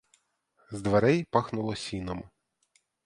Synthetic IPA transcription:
zd̪ʋeɾɛjpɑxnʊlˠɔsʲinɔm

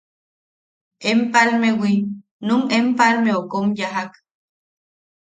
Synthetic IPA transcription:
empalmewi | numempalmeokomjaɦak

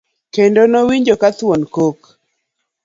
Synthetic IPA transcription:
kendonowiɲd͡ʒokat̪wonkok

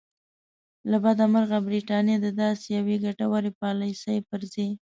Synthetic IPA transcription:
labad̪amaɾɣabɾiʈɑnjed̪əd̪ɑsejaweɡaʈawaɾepɑlajsajpəɾze

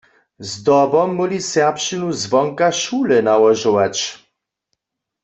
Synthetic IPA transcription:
zd̪ɔbɔmːulʲisɛʁpʂɨnuzvɔŋkaʃulɛnawɔʒɪwat͡ɕ

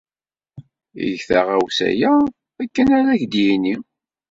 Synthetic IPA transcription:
ḭʝθaʁæwsæ̰jæ | ækːənæɾæçd̪jini

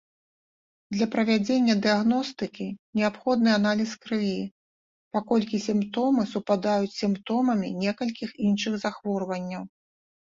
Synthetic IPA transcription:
d̪lʲɐpɾɐvʲad͡zʲenʲːɐd̪ɨjaɣnɔst̪ɨkʲinʲɛapxɔd̪̚nɨan̪alʲiskɾɨvʲi | pakɔlʲkʲisʲimpt̪ɔmɨsupad̪ajut͡sʲsʲimpt̪ɔmɐmʲinʲɛkɐlʲkʲixinʂɨɣzaxvɔrvɐnʲːɐw

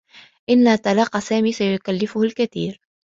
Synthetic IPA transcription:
ʔɪnːat̪ɑlɑːqːɑsaːmiːsajʊkalːɪfʊhalkaθḭːɾ

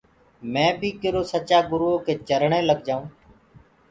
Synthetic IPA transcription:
mɛ̃ːbʱiːkɪɾoːsət͡ʃaːɡʊɾoːkeːt͡ʃəɾɳẽːləɡd͡ʒaːũː

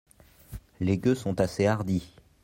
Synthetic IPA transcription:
leɡʲøsɔ̃t̪aseaʁd̪i

